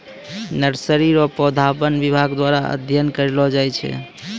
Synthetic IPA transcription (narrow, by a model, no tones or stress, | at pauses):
nəɾsəɾiɾɔpɔd̪ʱapənbibʱaɡd̪waɾaə̰d̪ʱjənkəɾelɔd͡ʒajt͡ʃʰɛ̰